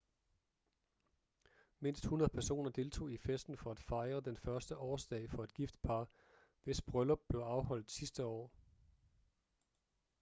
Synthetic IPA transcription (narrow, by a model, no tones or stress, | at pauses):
me̝n̰sd̥hunɐðˠpʰæɐso̝̰ːnɐd̥e̝lt͡sʰo̝̰ːifesd̥n̩fɒ̽æd̥fɑ̈ɪʁɐd̥enfɶɐsd̥əʔɒːsd̥ɛ̰ɪfɒ̽e̝d̥̚ɡ̥ifd̥pʰɑ̈ː | ʋe̝sb̥ʁœlɒb̥̚ːle̝ʊɑ̈ʊɦɒ̽l̰d̥sisd̥əɒ̰ː